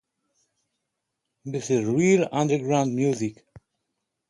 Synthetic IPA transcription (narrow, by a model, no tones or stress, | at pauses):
ðɪsɪzɹilʌ̃ndə˞ɡɹãʊ̃nd̚mjuzik